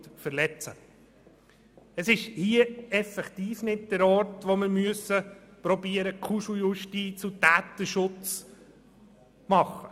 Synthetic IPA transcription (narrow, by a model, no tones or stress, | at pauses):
tfəɾlɛt͡sə | əsɪʃhiəɛfɛkt̪iːfnɪt̚d̥̪əɾɔːɾtʋomɪɾmyəsəpɾɔbiːəɾəkʰuʃujuʃtiːt͡sut̪æːt̪əʃʊt͡s | mɑχə